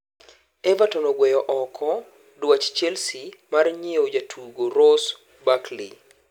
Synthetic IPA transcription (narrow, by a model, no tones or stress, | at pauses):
ɛvatɔnɔɡwɛjɔʔɔkʰɔ | dwat͡ʃt͡ʃɛlsimarɲiod͡ʒatʰuɡoɾos | baklḭ